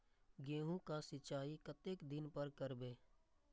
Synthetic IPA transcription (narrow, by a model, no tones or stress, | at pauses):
ɡẽːɦũkasɪt͡ʃaːikət̪eːkd̪ɪnpəɾkəɾbeː